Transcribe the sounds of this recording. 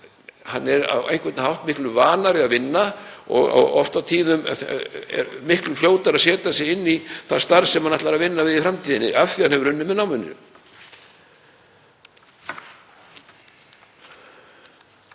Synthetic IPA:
hanːɛɾa̰wḛjŋ̥kvɛt̪naɦawht̪mɪhklʏvaːnaɾɪaðvɪnːaɔ̰ɣa̰ɔft̪awt̪ʰiːnʏm | ɛ̰ɾmɪhklʏl̥joːwt̪aɾaðsɛːt̪asɛɪnːiθast̪aɾsɛmhanaht̪laɾaðvɪnːavɪðifɾamt̪ʰiːðɪnːɪʔafθi̥hanhɛvʏɾʏnːɪmɛðnawmɪnːʏ̰

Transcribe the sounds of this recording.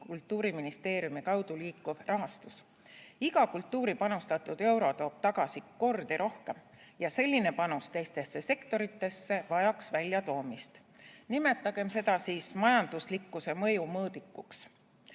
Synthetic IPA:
kult̪ˑːuːɾiminist̪e̞ːɾjumikɑwd̪̥uliːkːuv̥rʔɑɦɑst̪us | iɡ̥ɑkult̪ːuːɾipɑnust̪ɑt̪ːˑud̪̥e̞wɾo̞t̪o̞ːb̥̚t̪ɑɡ̥ɑsiko̞rd̪̥iɾʔo̞hke̞m | jɑse̞lʲːine̞pɑnust̪e̞jst̪e̞sːe̞se̞kt̪o̞ɾit̪ːˑe̞sːe̞vɑjɑksvælʲjɑt̪o̞ːmist̪ | nime̞t̪ˑːɑɡ̥e̞mse̞d̪ɑsiːsmɑjɑnd̪̥uslikːuse̞mɤ̞jumɤːd̪ikːuks

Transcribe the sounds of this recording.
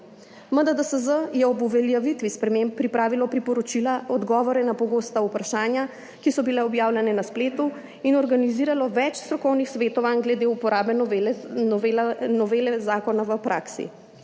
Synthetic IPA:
məd̪ad̪əsəzəjɛɔbuʋɛljaʋit̪ʋispɾɛmempːɾipɾaːʋilɔpɾipɔɾɔt͡ʃilaʔɔd̪ɡɔːʋɔɾɛnapɔɡoːst̪aupɾaʃaːnja | kisɔbilɛɔbjaːwlʲjɛnɛnaspleːt̪u | inɔɾɡaniziːɾalɔʋɛt͡ʃst̪ɾɔkɔwnixsʋeːt̪ɔʋanɡlɛd̪eupɔɾaːbɛ | lnɔʋeːlɛzaːkɔnaʋəpɾʔaːksḭ

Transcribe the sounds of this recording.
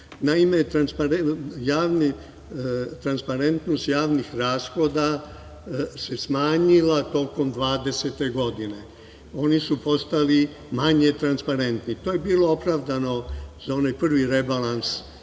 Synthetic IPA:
naime̞t̪ɾanspaɾejaːʋni | t̪ɾanspaɾe̞nt̪no̞st̪jaːʋnixɾaːsxo̞d̪a | se̞smaːɲilat̪o̞ko̞md̪ʋaːd̪e̞set̪e̞ɡo̞d̪ine̞ | o̞nisupo̞st̪ali | maɲe̞t̪ɾanspaɾe̞nt̪nit̪oːje̞biːlo̞opɾaːʋd̪ano̞z̥ao̞najpr̩ʋiɾe̞balˠans

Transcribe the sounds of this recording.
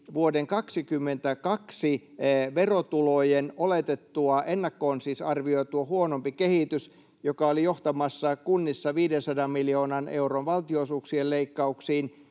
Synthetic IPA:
ʋuodeŋkɑksikymːent̪ækɑksi | ʋerot̪ulojenolet̪et̪ːuɑʔenːɑkːoːnsiːsɑrʋioit̪uohuonompikehit̪ys | jokɑolijoht̪ɑmɑsːɑkunːisːɑʋiːdensɑdɑmmiljoːnɑneuronʋɑlt̪ioisuːksieleikːɑuksiːn

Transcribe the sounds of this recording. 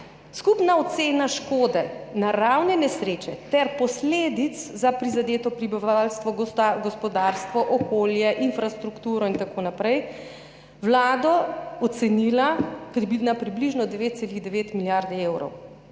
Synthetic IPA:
skupnaɔt̪seːnaʃkoːd̪ɛnaɾawnɛnɛsɾeːt͡ʃɛt̪ɛɾpɔsleːd̪it̪szapɾizad̪eːt̪ɔpɾibiʋalst̪ʋɔɡɔspɔd̪aːɾst̪ʋɔʔɔkoːljɛʔinfɾast̪ɾukt̪uːɾɔint̪akoːnapɾɛj | wlaːd̪ɔɔt̪sɛnilapɾibnapɾibliʒnɔd̪ɛʋeːt̪seliɣd̪ɛʋeːt̪miljaɾd̪eːwɾɔ̰w

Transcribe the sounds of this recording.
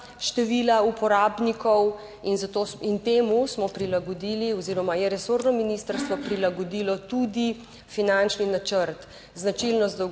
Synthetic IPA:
ʃt̪ɛʋilaupɔɾaːbnikɔw | inzat̪oːint̪eːmusmɔpɾilaɡɔd̪iːliɔziːɾɔmajɛɾɛsoːɾnɔminist̪əɾst̪ʋɔpɾilaɡɔd̪iːlɔt̪ud̪i | finant͡ʃninat͡ʃəɾt̪ | znat͡ʃilnɔzd̪ɔ

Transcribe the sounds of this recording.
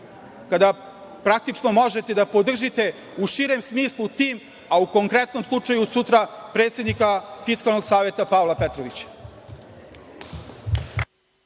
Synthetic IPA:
kad̪a | pɾak̚t̪it͡ʂnomo̞ʒe̞t̪e̞d̪apo̞d̪r̩ʒit̪e̞ | uʃiːɾe̞msmiːslˠut̪iːm | auko̞ŋkɾet̪no̞mslˠut͡ʂajusut̪ɾapɾet̪se̞d̪nikafiskalˠnoɡsaːʋe̞t̪apaolˠapet̪ɾoʋit͡ɕḁ

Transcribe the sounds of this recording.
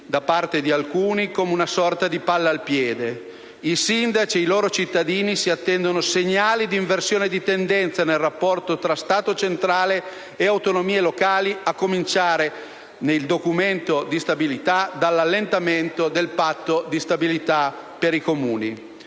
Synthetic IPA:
d̪apart̪ed̪ialkuːnikomeunasɔrt̪ad̪ipalːaalpjɛːd̪e | isind̪at͡ʃieiloːɾot͡ʃit̪ːad̪iːnisiat̪ːɛnd̪onoseɲːaːlid̪iɱversjoːned̪it̪end̪ɛnt̪sanelrapːɔrt̪ot̪ɾast̪aːt̪ot͡ʃent̪ɾaːleː | awt̪onomiːelokaːliakːomint͡ʃaːɾe | neld̪okument̪od̪ist̪abilit̪ad̪alːalːent̪ament̪od̪elpat̪ːod̪ist̪abilit̪apeɾikomuːni

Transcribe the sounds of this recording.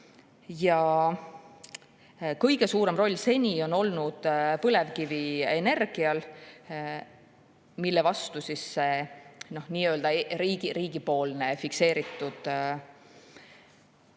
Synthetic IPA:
jɑ | kɤjɡe̞suːɾe̞mro̞lʲːse̞nʲio̞no̞lnud̪̥pɤle̞vkivie̞ne̞rɡ̥iɑl | milːevɑst̪usisːeno̞hniːøld̪ɑɾiːɡiɾiːɡ̥ipo̞ːlne̞fikse̞ːɾit̪ːˑud̪̥

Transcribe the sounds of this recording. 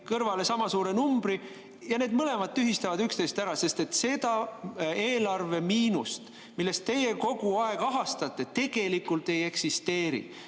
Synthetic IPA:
kɤrvɑle̞sɑmɑsuːɾe̞numb̥ɾi | jɑne̞ːd̪mɤle̞mɑd̪̥̚t̪ːyɦist̪ɑvɑd̪ykst̪e̞jst̪æɾɑse̞st̪et̪se̞d̪̥ɑe̞ːlɑrve̞miːnust̪ | milːe̞st̪t̪ːe̞je̞ko̞ɡ̥uɑeɡ̥ɑɦɑst̪ɑt̪ːˑe̞t̪e̞ɡ̥e̞likˑult̪e̞je̞ksist̪e̞ːɾḭ

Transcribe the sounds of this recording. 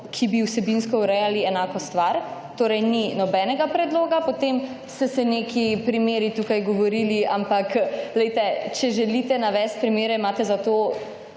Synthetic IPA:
kʰibiwsɛbinskɔuɾɛjaliɛnaːkɔst̪ʋaɾt̪oːɾɛjninɔbɛːnɛɡapɾɛd̪loːɡapot̪em | st̪ɛsɛnekʰipɾimeːɾit̪uːkajɡɔʋɔɾiːliampaklɛjt̪ɛt͡ʃɛʒɛlit̪ɛnaʋɛːst̪̚pɾimeːɾɛimaːt̪ɛzat̪oː

